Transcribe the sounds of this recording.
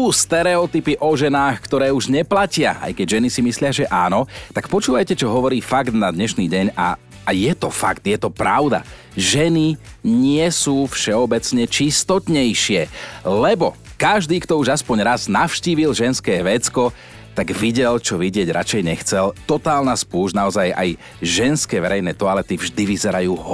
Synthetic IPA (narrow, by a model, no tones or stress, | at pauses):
ust̪ɛɾɛɔt̪ipiʔɔʒɛnaːxkt̪ɔɾɛːuʒɲɛplacɪa̰ʔa̰jkɛɟʒɛnisimislɪaʒɛʔaːnɔt̪akpɔt͡ʃuːʋajcɛt͡ʃɔɦɔʋɔɾiːfaɡd̪nad̪ɲɛʃniːɟɛɲa̰ | ajɛt̪ɔfa̰ɡt̪jɛt̪ɔpɾa̰ʊd̪a̰ | ʒɛniɲɪɛsuːfʃɛɔbɛt͡sɲɛt͡ʃist̪ɔt̪ɲɛjʃɪɛlɛbɔ | kaʒd̪iːkt̪ɔuʒaspɔɲɾaznafʃciːʋilʒɛnskɛːʋɛt͡skɔ | t̪aɡʋiɟɛlt͡ʃɔʋiɟɪɛɟɾa̰t͡ʃɛjɲɛxt͡sɛlt̪ɔt̪aːlnaspuːʒnaɔzaja̰j | ʒɛnskɛːʋɛɾɛjnɛːt̪ɔalɛt̪ivʒd̪iʋizɛɾajuːɦ